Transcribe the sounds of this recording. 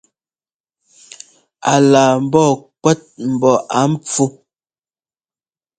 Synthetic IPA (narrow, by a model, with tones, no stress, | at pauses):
a˨laː˨m̩˨bɔ˦˨kwɛ˦t̚m̩˨bɔ˨ʔa˨˦m̩˦p͡fu˦